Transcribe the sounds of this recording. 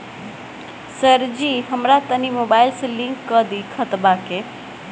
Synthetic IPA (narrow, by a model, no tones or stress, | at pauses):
səɾd͡ʒiɦəmɾat̪ənimobaːɪlsəliŋkːəd̪ikʰət̪bake